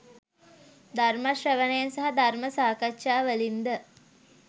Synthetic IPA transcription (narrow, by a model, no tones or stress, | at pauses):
d̪armaʃɾəʋənəjansaɦad̪arməsaːkatʃaːʋəlind̪ə